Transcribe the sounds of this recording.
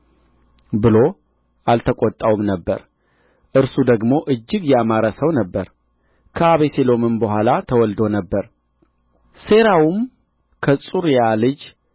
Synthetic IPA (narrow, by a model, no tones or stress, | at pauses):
bɨlo̞ | ʔalt̪ʰəkʼot̪ʼːawumnəbːə̰ɾ | ʔɨɾsud̪əɡmo̞ʔɨd͡ʒːɪɡjɛamaɾəsəwnəbːəɾ | kʰəaβeselo̞mɨnbəɦʷalat̪ʰəwɔld̪o̞nəbːəɾ | se̞ɾawum | kʰəsʼuɾjalɨd͡ʒ